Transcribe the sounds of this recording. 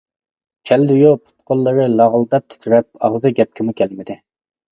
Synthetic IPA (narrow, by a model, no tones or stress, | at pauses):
t͡ʃʲʰɛld̪ujupʰʊ̥t̪̚qʰolˠːəɾɨlɑʁlˠd̪ɛp̚t̪ʰy̥t̪ʰyɾɛp̚ɑʁzɨɡʲɛp̚kʲɪmukʲʰɛlmɪd̪ɪ